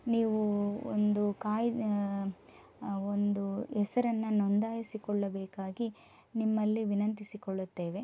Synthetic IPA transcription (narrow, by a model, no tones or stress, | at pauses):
niːʋuo̰nd̪ukaːj | ond̪uɛsɐɾɐnːɐnond̪aːjɐsikɔɭːɐbeːkaːɡi | nimːɐlːiʋinɐnt̪isikɔɭːut̪ːe̞ːʋe̞